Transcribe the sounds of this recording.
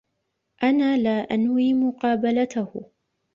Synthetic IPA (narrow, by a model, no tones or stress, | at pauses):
ʔanaːlaːʔanwiːmʊqɑːbalat̪ah